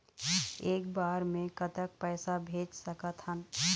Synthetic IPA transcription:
eːk̚baːɾmẽkət̪ək̚pɛːsabʱeːd͡ʒsəkət̪ɦən

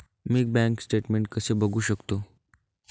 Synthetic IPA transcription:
miːk̚bæ̃ŋksʈeʈmeɳʈ̚kəsebʱəɡuːɕəkt̪o

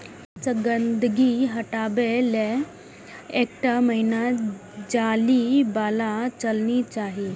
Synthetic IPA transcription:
t͡səɡənd̪ɡiɦəʈabele | ekʈaməinad͡ʑalibalat͡ɕəlnit͡ɕaɦi

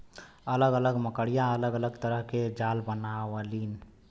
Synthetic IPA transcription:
ələɡələɡməkəɽijãələɡələɡt̪əɾəɦked͡ʒalbənaʋəlin

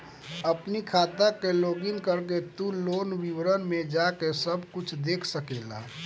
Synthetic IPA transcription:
əpnikʰaːt̪akeloːɡɪnkəɾket̪uloːnwiwɾənmẽd͡ʒakesəbʱkʊt͡ʃʰd̪eːkʰsəkeːla̰

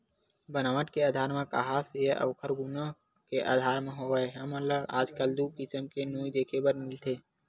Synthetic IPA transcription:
bənaːʋəʈkeaːd̪ʱaːɾmẽka̰ɦaːsjeʔə̰ʋkʰəɾɡʊna | keʔa̰ːd̪ʱaːɾmẽɦoeɦɐmələɡaːd͡ʒkəld̪ukɪsəmkenuːjd̪eːkʰebəɾmɪlt̪ʰeː

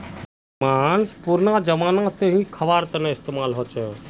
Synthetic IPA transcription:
maːnspuɾnaːd͡ʒəʋaːnãseɦĩkʰəʋaːɾt̪əneɪst̪eːmaːlɦoːt͡ʃʰə

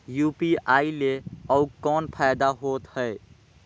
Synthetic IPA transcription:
jupiaileəʊkɔːnpʰajd̪aɦot̪həe

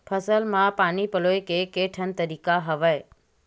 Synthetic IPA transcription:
pʰəsəlmãpaːnipəloːekekeʈʰənt̪əɾiːkaɦɐʋəe

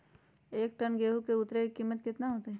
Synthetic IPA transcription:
eːk̚ʈənɡeːɦukeʊt̪ɾekiːmːət̪kɪt̪naɦoːt̪eɛ

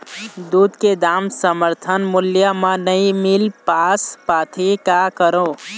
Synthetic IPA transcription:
d̪ud̪ked̪amsəməɾt̪ʰənmuljəmənəĩmilpaspat̪ʰikakəɾõ

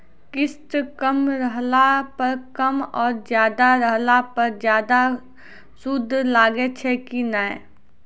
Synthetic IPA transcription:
kɪst̪kəmɾəɦlapɐɾkɐmɔːɾd͡ʒjaːd̪aɾəɦlapɐɾd͡ʒjaːd̪a | sʊd̪ʱːlaːɡet͡ʃʰɛkinae

